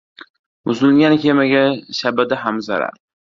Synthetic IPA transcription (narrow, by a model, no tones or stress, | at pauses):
mʊzɪlɡʲankʲʰemaɡʲaʃabad̪aɦamzaɾa̰ɾ